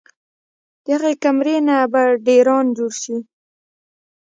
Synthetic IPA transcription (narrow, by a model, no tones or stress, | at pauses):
d̪̥əaɣekamɾenabaɖeɾɑnd͡ʒoɽʃi